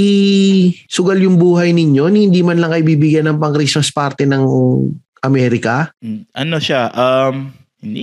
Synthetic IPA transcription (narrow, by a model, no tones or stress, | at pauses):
i | sʊɡɐljʊŋbuːɦɐjnɪɲjo̞nhɪnd̪iːmɐnlɐŋkɐʔɪbiːbɪɡjanːɐŋpɐŋkɾismɐspaɾt̪ɛnɐŋ | ʔɐmɛːɾɪkɐʔɐnoʃaʔɐm | hɪnd̪i